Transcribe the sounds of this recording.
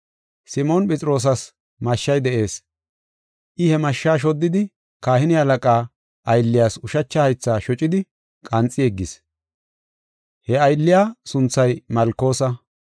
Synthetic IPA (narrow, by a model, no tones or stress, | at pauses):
sɪmonpʼɛt͡sʼɪɾo̞ːs̬ɐs | mɐʃːɐjd̪ɛʔe̞ːs | ʔɪhɛmɐʃːaːʃ̬ɔd̪ːɪd̪ɪ | kaːhɪnɪɐlɐkʼaː | ʔɐjlːɪjaːsʊʃɐt͡ʃːɐhɐjt͡sːaːʃɔt͡ʃʼɪd̪ɪ | kʼɐnt͡sʼːɪɛɡːɪs | hɛɐjlːɪjaːsʊnt͡sːɐjmɐlkːo̞ːsɐ